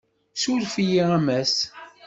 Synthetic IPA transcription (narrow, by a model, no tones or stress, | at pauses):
suɾfijiæmæs